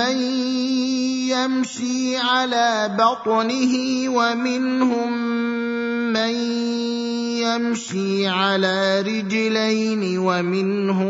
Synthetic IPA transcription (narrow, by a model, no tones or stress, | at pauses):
an | jamʃiː | ʕalaː | bɑt̪ˤnɪɦɪwamɪnhʊm | an | jamʃiːʕalaːɾɪd͡ʒ | lajnɪwamɪn | hʊ